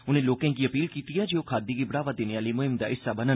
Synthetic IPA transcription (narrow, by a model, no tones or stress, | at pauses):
ʊnẽːloːkɛ̃kiːəpiːlkiːt̪ijaːd͡ʒeːoːkʰaːd̪iːɡiːbəɽaːʋəd̪eːneaːləiːmʊɦɪmd̪a̰ːɪsːabənən